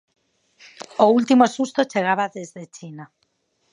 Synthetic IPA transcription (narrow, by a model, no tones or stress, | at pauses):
oult̪imosust̪ot͡ʃeɣ̞aβaðezðet͡ʃina